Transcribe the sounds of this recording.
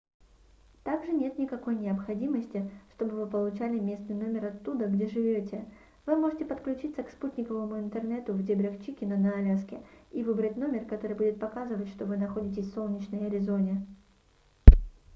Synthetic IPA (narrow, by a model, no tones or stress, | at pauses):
t̪aɡʐɨnʲe̞t̪nʲɪkɐkojnʲɪəpxɐdʲiməsʲtʲɪʂt̪o̞bɨvɨpəlˠʊt͡ɕælʲɪmʲe̞snɨjno̞mʲɪrɐt̪ːud̪əɡdʲe̞ʐɨvʲotʲɪ | vɨmo̞ʐɨtʲɪpət̪klʲʉt͡ɕit̪səksputʲnʲɪkəvəmʊɪnt̪ɨrnɛt̪ʊvdʲebɾʲɪxt͡ɕikʲɪnənɐːlʲaskʲɪivɨbɾətʲno̞mʲɪrkɐt̪o̞ɾɨjbudʲɪt̪̚pɐkazɨvətʲʂt̪o̞vɨnɐxo̞dʲɪtʲɪsʲso̞lˠnʲɪt͡ɕnəjɐɾʲɪzo̞nʲɪ